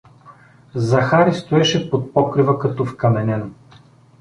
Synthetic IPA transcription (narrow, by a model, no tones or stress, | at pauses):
zɐxaɾist̪oɛʃɛpot̪̚pɔkɾivəkɐt̪ɔfkɐmɛnɛno